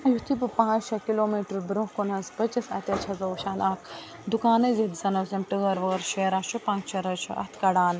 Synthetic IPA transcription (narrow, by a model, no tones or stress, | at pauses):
ɐjut̪ʰip̬ɨpãːt͡ʃt͡ʃʰɐkiloːmiːʈɾbɾukkunɐspɐt͡ʃɐsɐ̰t̪ʲɐt͡ʃʰɐzɐʃaːlaːkʰ | d̪ukaːnɐzɐt̪sɐnɐsɐmʈɨɡɐɾʋɐːɾʃeːɾaːt͡ʃʰupãːŋkt͡ʃʰɐɾɐt͡ʃʰɐʔɐ̰t̪ʰkɐɽaːn